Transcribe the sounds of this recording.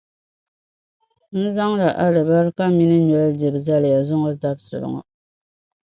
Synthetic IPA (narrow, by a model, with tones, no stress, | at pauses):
n̩˦za˦ŋla˨ʔa˦lɨ˨ba˦ɾɨ˦ka˦mi˦nɨ˦ɲɔ˨˦ldi˨bza˦lja˨zʊ˦ŋɔ˦da˦bsɨ˨lɨ̰˨ŋɔ̰˨